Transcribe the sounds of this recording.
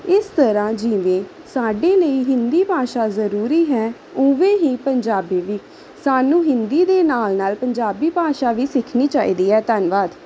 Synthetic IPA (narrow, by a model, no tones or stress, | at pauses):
ɪst̪əɾãːd͡ʒɪʋẽː | saːɖeːləiːɦɪnd̪iːpaːʃaːzəɾuːɾiːɦɛː | ʊːʋẽːɦiːpəɲd͡ʒaːbiːʋiː | saːnũːɦɪnd̪iːd̪eːnaːlnaːlpəɲd͡ʒaːbiːpaːʃaːʋiːsɪkʰniːt͡ʃaːḭːd̪iːɦɛːt̪ənʋaːd̪